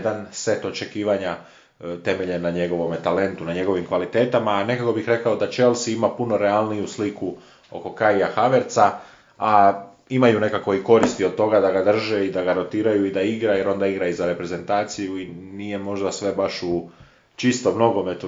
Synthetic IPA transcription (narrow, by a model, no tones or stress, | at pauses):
d̪anse̞t̪o̞t͡ʃe̞kiːʋaɲa | t̪e̞me̞ʎenaɲe̞ɡo̞ʋo̞met̪ale̞nt̪unaɲe̞ɡo̞ʋimkʋalit̪e̞ːt̪amaːne̞kako̞bixɾe̞kao̞d̪at͡ʃe̞lˠsiimapuno̞ɾealnijusliku | o̞̰ko̞kaiaxaʋe̞ɾt̪sa | a | imajune̞kako̞iko̞ɾist̪iod̪̚t̪o̞ɡad̪aɡad̪r̩ʒeid̪aɡaɾo̞t̪iːɾajuid̪aiɡɾaje̞ɾo̞nd̪aiɡɾaizaɾe̞pɾe̞ze̞nt̪aːt̪sijuinije̞mo̞ʒd̪asʋe̞baʃu | t͡ʃist̪o̞mno̞ɡo̞met̪u